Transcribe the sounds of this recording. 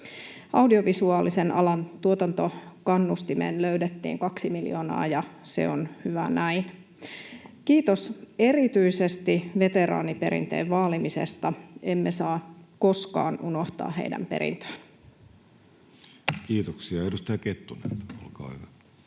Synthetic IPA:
ɑwdio̞ʋisuɑːlisenʔɑlɑnt̪uot̪ɑnt̪o̞kɑnːust̪imḛːnløydet̪ːḭːŋkɑksimiljoːnɑ̰ːjɑse̞̰onhyʋænæin | kiːt̪o̞se̞ɾit̪yisest̪iʋe̞t̪e̞ɾɑ̰ːnipe̞ɾḭnt̪ḛːʋʋɑːlimise̞̰st̪ɑemːesɑːkoskɑ̰ːnuno̞ht̪ɑ̰ːɦḛidæ̰mpe̞̰ɾḭnt̪ø̥ːn | kiːt̪oksiɑedust̪ɑjɑket̪ːunḛno̰lkɑ̰ːhyʋæ

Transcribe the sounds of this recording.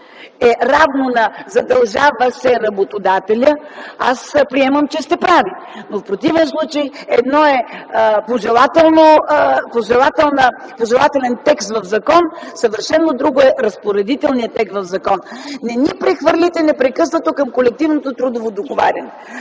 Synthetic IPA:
ɛɾavnonɐzɐd̪ɐlˠʒavəsɛɾɐbot̪od̪at̪ɛlʲəa̰spɾiɛməmt͡ʃɛst̪ɛpɾavinofpɾot̪ivɛnslˠut͡ʃəjɛd̪nɔɛpoʒɛlˠat̪ɛlˠnopoʒɛlˠat̪ɛlˠnəpoʒɛlˠat̪ɛlɛnt̪ɛkst̪vɐfzɐkɔnsəvəɾʃɛnːod̪ɾuɡoɛɾɐspoɾɛd̪it̪ɛlˠnijət̪ɛkst̪vɐvzɐkɔnːɛnʲipɾɛxvɤɾlʲit̪ɛnɛpɾɛkɤsnət̪okəmkolɛk̚t̪ivnot̪ot̪ɾud̪ovod̪oɡova̰ɾʲɐnɛ

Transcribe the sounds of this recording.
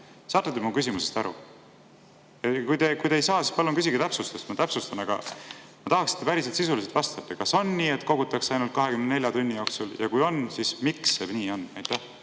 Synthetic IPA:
sɑːt̪ːˑut̪ːemukysimusest̪ɑɾṵ | jɑkujd̪e̞kujd̪ejsɑːsispɑlːoŋkys̬ʲiɡ̥et̪æpsust̪est̪mɑt̪æpsust̪ɑnɑɡ̥ɑ̰mɑt̪ɑhɑksi̥t̪ːepæɾiset̪sisulis̬et̪vɑst̪ɑt̪ːekɑso̞nːiːe̞t̪ko̞ɡut̪ːˑɑkseɑjnult̪̚kɑɦe̞kymnne̞lʲjɑt̪unʲːijo̞ksuljɑ̰kujo̞nsismiksebnʲiːo̞nɑjt̪ːˑæh

